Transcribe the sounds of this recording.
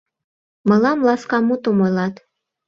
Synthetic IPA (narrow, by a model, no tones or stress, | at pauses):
mɤlɑmlɑskɑmut̪omojlɑt̪